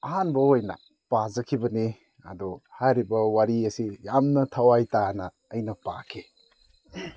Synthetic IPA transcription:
ɐɦanbɐojnɐ̰ | pazɐkʰibɐni | ɐ̰dɔhajɾibɐwaɾiɐsijamnɐtʰɐwajtanɐːjnɐpa̰kʰe

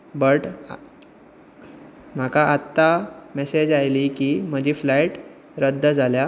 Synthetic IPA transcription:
bəʈ | m̤akʰaat̪ːamesed͡ʑajliːkiːm̤əd͡ʑiːflajʈ | ɾəd̪ʱːəd͡zʱalja

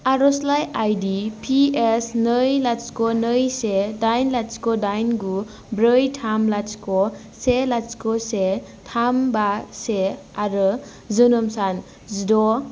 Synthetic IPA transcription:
aɾɔslajajdipʰiesnɯjlat͡ʃkɔnɯjsedajnlat͡ʃkɔdajnɡu | bɾɯjtʰamlat͡ʃkɔ | selat͡ʃkɔse | tʰambase | aɾɯ | zɯnɯmsan | zidɔ

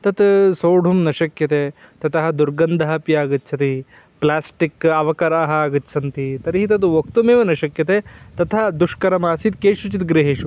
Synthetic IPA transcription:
t̪ɐt̪soːɖʱumnɐʃɐkjɐt̪eː | t̪ɐt̪ʰɐɦɐ̆d̪uɾɡɐnd̪ʱɐɦɐpjaːɡɨtːt͡ʃʰɐt̪i | plaːsʈikɐʋɐkɐɾaːɦɐːɡɨtːsʰɐnt̪it̪ɐɾiɦit̪ɐt̪̬ʋok̚t̪umeːʋenɐʃɐkjɐt̪eːt̪ɐt̪ʰɐɦɐd̪uʂkɐɾɐmaːsit̪keːʃut͡ʃit̪ɡɾeɦeːʂu

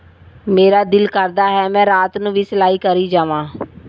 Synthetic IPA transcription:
meːɾaːd̪ɪlkəɾd̪aːɦɛːmɛ̃ːɾaːt̪nũːʋiːsəlaːiːkəɾiːd͡ʒaːʋãː

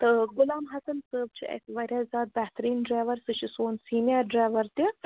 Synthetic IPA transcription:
t̪ɐɡulaːmɦɐsɐnsəːb̚t͡ʃʰiʔɐ̰sʲiʋɐɾʲjaːzaːt̪̚bɐɦt̪ɐɾiːnɖɾaːjʋɐɾsɨʃisoːnsiːnijɐɾɖɾaːjʋɐɾt̪i

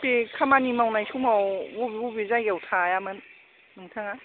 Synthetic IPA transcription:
pekʰamanimawnajsʰumawbobiubizajɡawtʰajamɯnː | ɯŋtʰaŋa

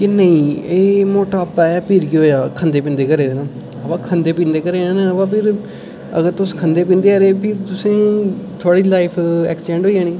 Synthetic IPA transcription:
kenəĩːeːmoːʈaːpːɛːjaːpiːɾkiɦoːjaːkʰənd̪eːpɪ̃ːnd̪eːkəɾeːd̪eːnãː | əpãːkʰənd̪eːpĩːnd̪eːkəɾeːnãːnẽəpãːpʰɪɾ | ə̰ɡəɾt̪ʊskʰənd̪eːp̬ĩːnd̪eːəɾeːpit̪ʊsẽːt̪ʰoaːɽiːlaːɪpʰɛ̰ːkst͡ʃɛ̃ːɳɖoːijãːniː

